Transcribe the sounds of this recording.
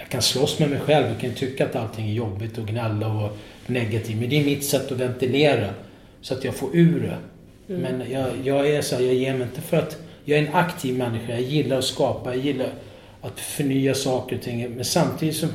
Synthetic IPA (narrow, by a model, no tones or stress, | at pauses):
jɑkʰanslɔsːmɛmɛjɧɛlvjakʰant̪ʰʏkːaat̪alt̪ʰɪŋːæɾjɔbːɪt̪ɔɡnɛlːaɔ | nɛɡat̪ʰiːvmɛnd̪ɛɾmɪt̪sɛt̪ːɔvɛnt̪ɪleːɾa | sɔat̪jɑːɡfoːɾʉ̟ːɾɛ̰ | mɛnjɑːjɑːɡæsɔæːjɑːɡjeːmɛɪnt̪əfœɾat̪jɑːɡæɾɛnakt̪ʰiːvmɛnːɪɧajɑjɪlːaɾɔskɑːpajɑjɪlːaɾ | at̪fœɳyːasɑːkəɾɔt̪ʰɪŋːmɛnsamt̪ʰiːd̪ɪt̪sɔm